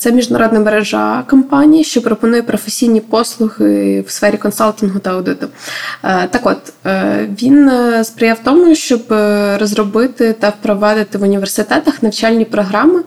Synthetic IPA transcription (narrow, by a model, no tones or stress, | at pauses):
t̪sɛmʲiʒd̪nɐɾɔd̪nɐmeɾeʒɑ̰kɔmpɑnʲijɐʃt͡ʃɔpɾɔpɔnujɛpɾɔfesʲijnʲipɔslˠʊɦɪwsfɛɾʲikɔnsalˠt̪ʲɪnɦʊt̪ɐɐwd̪ɪt̪ʊ | t̪ɐkɔt̪ːʋʲinspɾɪjɑwt̪ɔmʊʃt͡ʃɔbrɔzrɔbɪt̪ɪt̪ɐwpɾɔʋɑd̪ɪt̪ɪʋʊnʲiʋersɪt̪ɛt̪ɐxnɐwt͡ʃɑlʲnʲipɾɔɦɾɑmɪ